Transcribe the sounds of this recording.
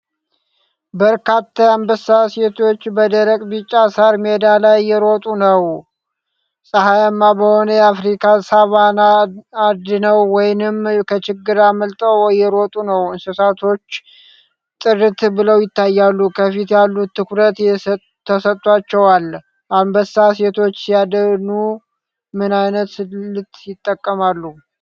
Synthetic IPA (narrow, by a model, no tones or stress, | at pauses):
bəɾkʰat̪ʰːajambəsase̞t̪ʰo̞t͡ʃːbəd̪əɾəkʼbɨt͡ʃʼːasaɾmed̪alajːɛɾot̪ʼunəw | sʼəɦajamːabəho̞nəjafɾikʰasaβanaad̪nəwːɔjnɨmkʰət͡ʃɪɡːɨɾaməlt̪ʼəwjɛɾot̪ʼunəwɨnsɨsat̪ʰo̞t͡ʃː | t̪ʼɨrɨt̪bɨləwjɪt̪ːajːalːukʰəfit̪jalːut̪ʰːɨkɾət̪jɛ | t̪ʰːəsət̪ːʼwat͡ʃːɛwalː | ʔambəsase̞t̪ʰo̞t͡ʃːjad̪ənu | mɨnajnət̪lɨt̪ʼjɪt̪ʼːəkʼːəmalːu